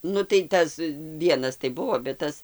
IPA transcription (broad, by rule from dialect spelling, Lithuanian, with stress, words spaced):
ˈnʊ tɐɪ ˈtɐs ˈʋʲiɛnɐs tɐɪ ˈbʊʋoː bʲɛt ˈtɐs